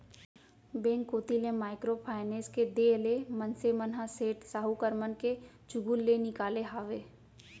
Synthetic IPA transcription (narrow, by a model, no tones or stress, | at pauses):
bẽːŋkːoːt̪ilẽmaːɪkɾopʰaːɪneːsked̪eːlemənsemənɦaseːʈsaːɦukəɾmənke | d͡ʒʊɡulːenɪkaːleɦaːʋeː